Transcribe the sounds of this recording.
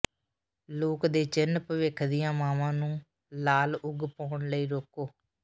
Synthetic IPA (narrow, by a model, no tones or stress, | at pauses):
loːkd̪eːt͡ʃɪnəpəʋɪkʰd̪ɪjãːmaːmãːnũː | laːlʊɡpɔːɳləiːɾoːkoː